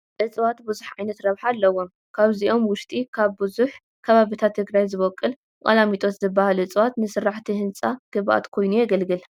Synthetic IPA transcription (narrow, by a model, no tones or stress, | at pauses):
ʔɨt͡sʼwat̪bɨzuħʕajnɐt̪ɾɐβħalːɐwːom | kʰaβziʔo̞mwʊʃt̪ʼikʰaβbɨzuħ | kʰɐβaβit̪ʰat̪ʰːɨɡɾajzɨβɐkʼːɨl | kʼɐ̰lamit̪ʼo̞t̪zɨbːahalʔɨt͡sʼwat̪nɨsɨrːaħt̪ʰihɨnt͡sʼaɡ̥ɨβʔa̰t̪kʰo̞jnujɛɡɐlɡɨl